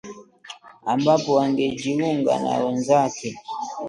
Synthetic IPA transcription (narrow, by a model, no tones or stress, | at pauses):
ambapɔwaŋɡɛd͡ʒiuŋɡa̰na̰wɛnzakɛ